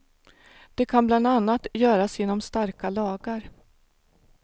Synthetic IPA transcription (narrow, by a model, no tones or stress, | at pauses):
d̪̥ɛkʰanbland̪anːat̪jœːɾasjɪnːɔmst̪aɾkalɑːɡaɾ